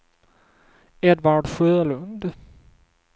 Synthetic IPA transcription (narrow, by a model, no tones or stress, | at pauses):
ɛd̪vaɾɖɧøːɭɵnd̪